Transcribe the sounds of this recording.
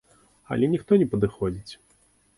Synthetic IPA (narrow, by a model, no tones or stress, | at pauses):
ɐ̰lʲɛnʲixt̪ɔnʲɛpɐd̪ɨxɔd͡zʲit͡sʲ